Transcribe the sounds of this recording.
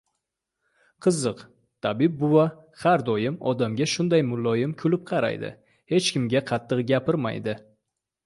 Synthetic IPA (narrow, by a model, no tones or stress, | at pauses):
qʰɨzɨq | t̪ʰabɪb̚ːʊwa | haɾd̪ɒjɪmɒ̰d̪amɡʲaʃʊnd̪ajmʊlːɒjɪmkʲʰʊlɪp̚qʰɑɾa̰jd̪ɪ̰ | he̞t͡ʃkʲɪmɡʲaqʰɑt̪ʰːɨqɡʲapʰɪɾma̰jd̪ɪ